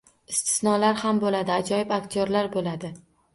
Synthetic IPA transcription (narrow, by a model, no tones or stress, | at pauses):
ɪst̪ʰɪ̥snɒlaɾhambolad̪ɪad͡ʒɒjɪbakt̪ʰjoɾlaɾbolad̪ɪ